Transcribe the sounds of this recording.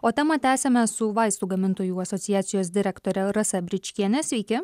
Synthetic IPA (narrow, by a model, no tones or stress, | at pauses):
oːt̪ʲɛmɐt̪ʲæːsʲɛmʲɛsʊʋɐɪst̪uːɡɐmʲɪnt̪oːjuːɐsɔt̪sʲɪjæːt̪sʲɪjoːs̬d̪ʲɪɾʲɛkt̪oːɾʲɛɾɐsɛbʲɾʲɪt͡ʃʲkʲiɛnʲɛsʲʋʲɛɪkʲɪ